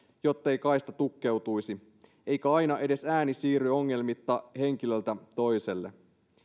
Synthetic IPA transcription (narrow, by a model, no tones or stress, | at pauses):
jo̞t̪ːe̞jkɑist̪ɑt̪ukːe̞wt̪ujsi | e̞jkæɑjnɑʔe̞de̞sæːnisiːɾyo̞ŋːe̞lmit̪ːɑhe̞ŋk̟ilølt̪æt̪o̞jse̞lːe